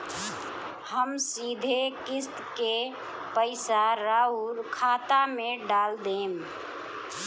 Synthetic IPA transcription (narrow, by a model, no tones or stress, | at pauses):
həmsid̪ʱekɪst̪ke | pəɪsaɾaːuɾkʰaːt̪amẽɖaːld̪eːm